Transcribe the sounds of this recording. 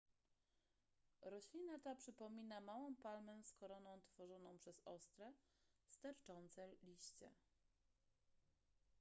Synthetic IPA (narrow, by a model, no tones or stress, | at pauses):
ɾɔɕlʲinat̪apʂɘpɔmʲinamawɔ̃w̃palmɛskɔɾɔnɔ̃w̃t̪fɔʐɔnɔ̃w̃pʂɛzɔst̪ɾɛ | st̪aɾt͡ʂɔnt̪sɛlʲiɕt͡ɕɛ̰